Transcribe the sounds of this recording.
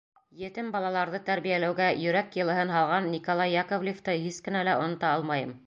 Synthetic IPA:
jɘ̆t̪ɘmbɑlˠɑlˠɑɾðɤt̪æɾβijælæwɡæjɵ̆ɾækjɤ̆lˠɤ̆ɦɤnɦɑlˠʁɑnːikolˠɑjːɑkovlʲɪft̪ɤhiskɘ̆nælæŏ̰nɤ̆t̪ɑɑlˠmɑjɤm

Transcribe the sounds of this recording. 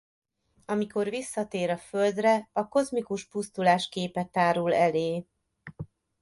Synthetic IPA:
ɒmiko̞rvisːɒt̪eːɾɒføld̪rɛɒko̞zmikuʃpust̪ulaːʃkeːpɛt̪ːaːɾulɛleː

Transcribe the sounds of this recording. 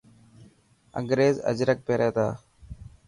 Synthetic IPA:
ə̰ŋɡɾeːzə̰d͡ʒɾək̚peːɾeːt̪aː

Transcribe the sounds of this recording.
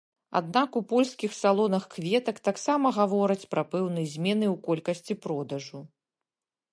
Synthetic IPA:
a̰d̪nakupɔlʲskʲixsalˠɔnɐxkvʲɛt̪ɐkt̪aksamɐɣavɔɾɐt͡sʲpɾɐpɛwnɐjzʲmʲɛnɨwkɔlʲkɐsʲt͡sʲipɾɔd̪ɐʐu

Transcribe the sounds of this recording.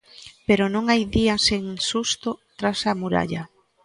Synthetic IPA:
peɾonõŋajðiaseŋsust̪ot̪ɾasamuɾa̰ʎa

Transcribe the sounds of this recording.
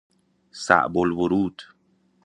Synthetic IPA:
sa̰ʔbolvoɾuːd̪̥

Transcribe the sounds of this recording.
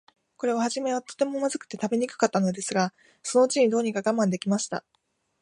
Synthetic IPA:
ko̞ɾe̞βahaʑime̞βat̪o̞̥t̪e̞mo̞mazɨkɯ̟̥t̪e̞t̪abe̞ɲ̟ikɯ̟̥kat̪ːano̞d̪e̞sɨɡa | so̞no̞ɯt͡ɕiɲ̟id̪oːɲ̟ikaɡamãnd̪e̞kʲimaɕi̥t̪a̰

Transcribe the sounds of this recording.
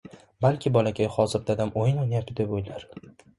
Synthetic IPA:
balkʲʰɪbɒlakʲʰajχɒzɪɾ̚d̪ad̪amʔojɪnonjapt̪ɪd̪ebojlaɾ

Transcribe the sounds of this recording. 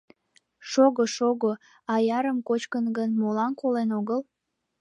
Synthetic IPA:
ʃoɣoʃoɣo | ɑjɑɾəmkot͡ɕkənɡənmolɑnkolenoɣəl

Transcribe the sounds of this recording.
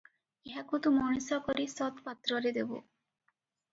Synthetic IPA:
eɦakut̪umɔnisɔkɔɾisɔt̪pat̪ːɾɔɾed̪ebṵ

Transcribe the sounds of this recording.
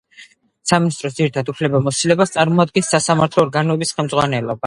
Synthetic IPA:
saminist̪ʼɾɔs̬d̪ziɾit̪ʰad̪upʰlɛbamɔsilɛbast̪sʼaɾmɔad̪̚ɡɛnsːasamaɾt̪ʰlɔːɾɡanɔɛbisχɛlˠmd̪zʁwanɛlˠɔba

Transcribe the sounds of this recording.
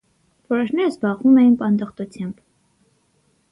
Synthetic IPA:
vɔɾɔʃnɛɾəzbɑʁvumɛjinpɑnd̪əχt̪ut͡sʰjɑmb̥

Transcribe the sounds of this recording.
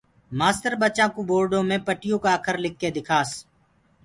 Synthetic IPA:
maːst̪əɾbət͡ʃãːkoboːɾɖõːmẽːpəʈɪjõːkaəkʰəɾlɪk̚ʰːeːd̪ɪkʰaːs

